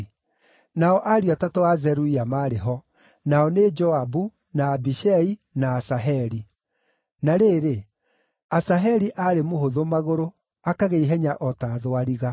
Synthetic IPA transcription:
naɔʔaɾiatatɔazɛɾuiamaɾeɦɔ | naɔned͡ʒɔabu | naːbiʃɛinaːsaɦɛɾi | naɾeːɾe | asaɦɛɾiʔaɾemoɦoðomaɣoɾo | akaɣeiɦɛɲaʔɔtaːðoaɾiɣa

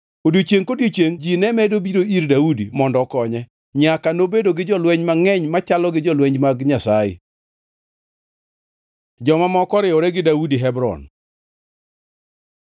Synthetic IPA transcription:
odjot͡ʃeŋkodjot͡ʃeŋd͡ʒinɛmɛdobiɾoiɾdaudimɔndɔkɔɲɛ | ɲakanobedoɡɪd͡ʒɔlwɛɲmaŋɛɲmat͡ʃalɔɡɪd͡ʒɔlwɛɲd͡ʒmaɡɲasajɪ̰ | d͡ʒɔmamɔkɔɾɪɔɾɛɡɪdaudiɦɛbɾɔ̰n

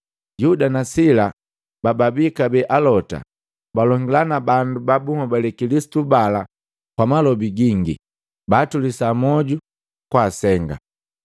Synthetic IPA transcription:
judanasila | bababikabɛʔalɔta̰ | balɔŋɡilanabandubabuŋɔbalɛkilisi̥tubala | kwamalɔbiɡiŋɡḭ | baːtulisamɔɟu | kwaːsɛŋɡa̰

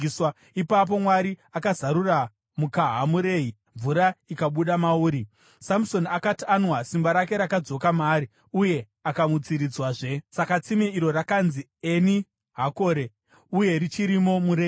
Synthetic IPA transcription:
swa | ipap̬o̞mwaɾiakazaɾura | mukaɦamuɾe̞ɦi | ɱvuɾaikaɓuɗamauːɾi | samso̞nakatianwasimbaɾake̞ɾakad͡zo̞kamaːɾi | uje̞ | akamut͡siɾid͡zwaʐe̞sakat͡simeiɾo̞rakanzi | eni | ɦako̞ɾe̞ | uje̞rit͡ʃiɾimo̞muɾe

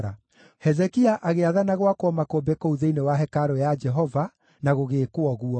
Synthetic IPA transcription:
ɾa | hɛzɛkiaʔaɣeaðanaɣwakoɔmakobekɔuðeinewaɦɛkaɾɔjad͡ʒɛɦɔva | naɣoɣeːkoɔɣuɔ

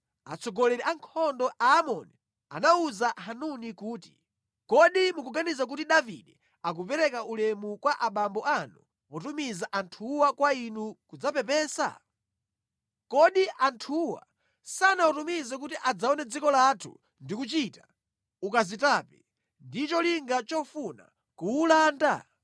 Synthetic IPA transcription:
a̰t͡sɔɡɔlɛɾɛʔaŋkʰɔndɔʔaːmɔni | a̰nauzaɦanunikuːti̥ | kɔɗimukuɡanizak̬utiɗavḭɗɛ | ak̬upɛɾɛkaʔulɛmukwaʔaɓambɔʔanu | pɔtumizaʔantʰuwakwainukud͡zapɛpɛːsa̰ | kɔɗiʔantʰuwa̰ | sanaɔtumizɛk̬utiʔad͡zaɔnɛd͡zikɔlatʰṵ | ndikut͡ʃita | ukazitaːpɛ | ndit͡ʃɔliŋɡat͡ʃɔfuna̰ | kuːlaːnda̰

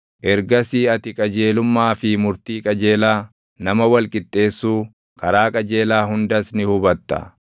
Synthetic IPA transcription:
ʔɛɾɡɐsiːɐt̪ɪkʼɐd͡ʒeːlʊmːaːfɪmʊɾt̪iːkʼɐd͡ʒe̞ːlaː | nɐmɐwɐlkʼɪt̪ʼːe̞ːsːuː | kɐɾaːkʼɐd͡ʒe̞ːlaːɦʊnd̪ɐsnɪhʊbɐt̪ːɐ̰

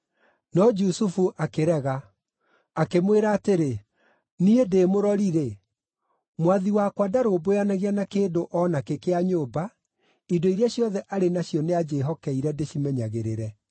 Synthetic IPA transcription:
nɔd͡ʒusufuʔakeɾɛɣaː | kemweɾaːteɾe | niedeːmoɾɔɾiɾe | mwaðiwakwadaɾoːbojanaɣianakeːndoʔɔnakekeaɲoːba | idoiɾjaɕjɔðɛʔaɾenaɕjɔnead͡ʒeːɦɔkɛiɾɛdeɕimɛɲaɣeɾeɾɛ

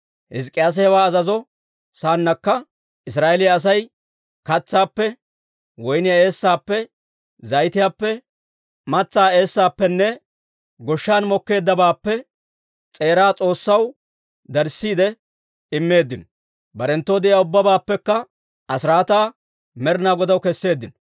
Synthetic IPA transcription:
hɪskʼːɪjaːs̬ɛhɛwaːɐzɐzɔ | saːnːɐkːɐ | ʔɪs̬ɾaːʔɛlɪjaːs̬ɐj | kɐt͡sːaːpːɛ | wɔjnɪjae̞ːsːaːpːɛ | zɐjt̪ɪjaːpːɛ | mɐt͡sːaːe̞ːsːaːpːɛnːɛ | ɡɔʃːaːnmɔkːe̞ːd̪ːɐbaːpːɛ | t͡sʼe̞ːɾaːt͡sʼo̞ːsːɐw | d̪ɐɾsːiːd̪ɛ | ɪmːe̞ːd̪ːɪn | bɐɾɛnt̪ːoːd̪ɪɪjaːʊbːɐbaːpːɛkːɐ | ɐsɪɾaːt̪aː | mɛɾnaːɡɔd̪ɐwkɛsːe̞ːd̪ːɪnɔ

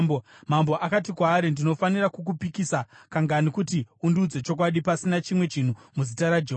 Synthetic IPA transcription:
bomambo̞ʔakat̬ikwaːɾindino̞fanirakuk̬upikisakaŋɡanikutiundud͡ze̞t͡ʃo̞k̬waɗipasinat͡ʃimwe̞t͡ʃin̤umuzitaɾad͡ʒeɦ

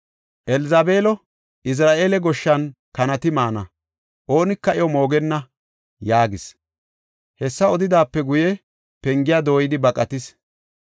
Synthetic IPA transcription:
ʔɛlɪzaːbe̞ːlɔ | ʔɪs̬ɾaːʔe̞ːlɛɡɔʃːɐnkɐnɐt̪ɪmaːnɐ | ʔo̞ːnɪkːɐʔɪjɔmo̞ːɡɛnːɐ | jaːɡɪs | hɛsːɐɔd̪ɪd̪aːpːɛɡʊjɛ | pɛŋɡɪjaːd̪o̞ːjɪd̪ɪbɐkʼːɐt̪ɪs

